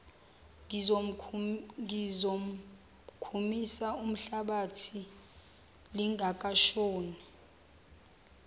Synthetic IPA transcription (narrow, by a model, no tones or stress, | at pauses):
zo | izo | kʰumisaum̩ɬaɓatʰi | liŋʱakʼaʃoːnɛ